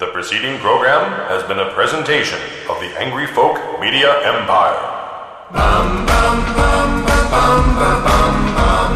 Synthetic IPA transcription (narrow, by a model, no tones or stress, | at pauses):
ðɨpʰɹ̥ɨsiɾɪ̃ŋpʰɹ̥oʊɡɹæ̃mɨzbɨ̃nɨpʰɹ̥ɛzɨ̃ntʰeɪʃɨ̰̃n | ʌvðiʔæ̰̃ŋɡɹifoʊkmiɾiɨʔɛ̃mpʰaɪə̰˞ | m